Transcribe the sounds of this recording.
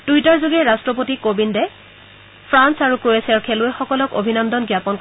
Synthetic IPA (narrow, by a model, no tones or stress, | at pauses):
d̥ujtaɹzuɡɛɹastɹɔpotikobindɛ | pʰɹansaɹukɹoesiaɹkʰɛlʊɛxɔkɔlɔko̰bʱinɔndɔnɡjapɔnk